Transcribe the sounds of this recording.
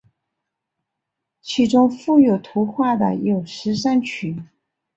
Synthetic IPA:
t͡ɕʰi˧˥ʈ͡ʂʊ˥ŋfu˥˩jo˨˩ʊt̪ʰu˧˥xwa˥˩d̪ə̰˩jo˨˩ʊʂɻ̩˧˥ʂa˥nt͡ɕʰy˧˦

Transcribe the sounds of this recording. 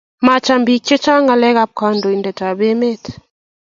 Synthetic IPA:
ma˨t͡ʃa˨mbi˨k̚t͡ʃe˦t͡ʃa˦ŋɡa˨lɛ˦ka˨p̚ka˨ndo˨i˨ndɛ˨ta˨be˦me˦t

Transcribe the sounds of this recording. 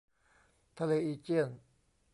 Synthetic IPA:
t̪ʰa˧le˧i˧t͡ɕi˥˩ə˨n

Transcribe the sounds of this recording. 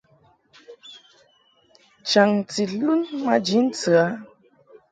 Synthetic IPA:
t͡ʃa˨ŋti˨lu˦nma˦d͡ʒi˨˦n̩˦t͡sɨ˨a˨˦

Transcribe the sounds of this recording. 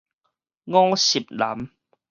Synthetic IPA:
ŋɔ̃˦ŋɕi˨˩p̚la˨˦m

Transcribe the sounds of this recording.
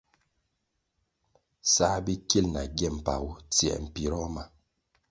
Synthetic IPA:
sa˦bi˦ki˦lna˨ɡɛ˦˨m̩˨pa̰˨wu˦t͡sjɛ̰˨m̩˨pi˨ɾɔ˦ma˨

